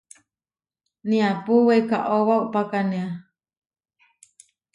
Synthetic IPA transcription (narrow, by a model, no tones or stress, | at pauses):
niapuweka̰ʔoβauʔpakanea